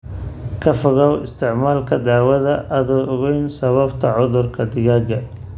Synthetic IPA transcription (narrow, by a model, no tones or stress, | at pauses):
kʰɐfɐɣɐwɪst̪ʰɪʕmaːlkʰɐd̪aːwɐðɐʔɐðɐɔɣɛjnsɐβɐbt̪ʰɐʕʊðʊrkʰɐd̪ɪɣaːɡɐ